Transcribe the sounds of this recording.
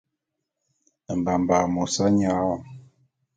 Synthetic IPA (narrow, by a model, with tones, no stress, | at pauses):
m̩˨ba˨m˨ba˨mo˨sa˦ɲa˨˦wa˨m